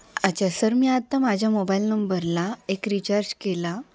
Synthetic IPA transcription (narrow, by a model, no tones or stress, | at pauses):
at͡ɕasəɾmiat̪ːamad͡ʑʱjamobailnəmbəɾlaekɾit͡ɕaɾd͡ʑkela